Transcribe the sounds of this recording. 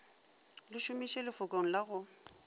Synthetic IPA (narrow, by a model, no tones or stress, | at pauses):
lɪʃʊmiʃelɪfʊkʼoŋ̩laɣʊ